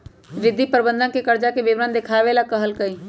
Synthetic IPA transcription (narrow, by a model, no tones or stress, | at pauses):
ɾɪd̪ʱːipəɾbə̃nd̪ãnkekəɾd͡ʒakebɪʋɾənd̪ɪkʰaːʋelakɐɦəlkəĩː